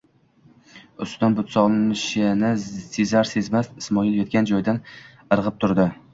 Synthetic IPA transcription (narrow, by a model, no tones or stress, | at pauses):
ʊst̪d̪anbʊt̪sɒʁnˠɪmɪʃanɪsezaɾse̞zmasɪsmɒɪlˠjɒt̪̚kʲand͡ʒɒjd̪an | ɨɾʁɨp̚t̪ʰʊɾd̪ɪ